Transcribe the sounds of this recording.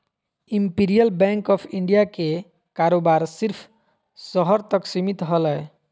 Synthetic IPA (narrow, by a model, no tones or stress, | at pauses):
impiɾijəlbɛŋkɔpʰiɳɖijake | kaɾobaɾsiɾpʰ | sɔɦɔɾt̪ɔksimit̪ɦɔlɔj